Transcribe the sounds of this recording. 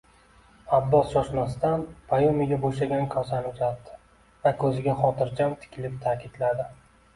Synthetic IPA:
abːɒsʃɒʃmast̪anpʰajomɪɡʲaboʃ̬aɡʲankʲʰɒsanʊzat̪ːɪ̥ | vakʲʰɵzɪɡʲaχɒt̪ɪɾd͡ʒamt̪ʰɪ̥kʲʰɪlɪp̚t̪ʰakʲɪd̪lad̪ɪ

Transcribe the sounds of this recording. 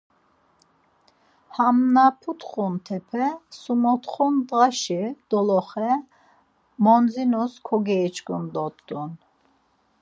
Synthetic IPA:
hamnapʰut̪χunt̪ʰɛpʰɛsumɔt̪χɔnd̪ʁaʃid̪̥ɔlɔχɛ | mɔnd͡zinuskʰɔɡɛːt͡ʃkund̪ɔt̪d̪un

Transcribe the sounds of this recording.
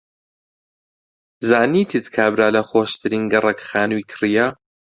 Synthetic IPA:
zaːniːt̪ʰit̪kʰabɾaːlɐxoːʃt̪ʰɨɾiːnɡɨrekxaːnwiːkʰɨrija

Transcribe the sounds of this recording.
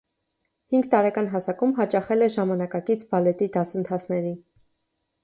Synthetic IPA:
hiŋɡt̪ɑɾɛkɑnɦɑsɑkumɦɑt͡ʃɑχɛlɛʒɑmɑnɑkɑkit͡sʰbɑlɛt̪id̪ɑsənt̪ʰɑt͡sʰnɛɾi

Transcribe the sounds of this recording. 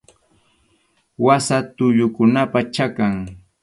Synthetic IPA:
wasat̪ʊʎʊkʊnapat͡ʃakaŋ

